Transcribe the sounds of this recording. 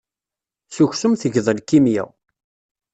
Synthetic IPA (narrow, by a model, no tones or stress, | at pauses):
suçsʊmθəʝðˤəlkːimjæ̰w